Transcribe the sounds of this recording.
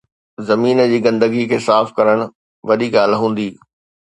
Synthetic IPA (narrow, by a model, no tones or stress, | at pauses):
zɐmiːnəd͡ʑiːɡɐ̃nd̪əɡikʰeːsaːfkɐɾəɽ̃ʊ | ʋɐɗiɡaːlɦũːn̆d̪iː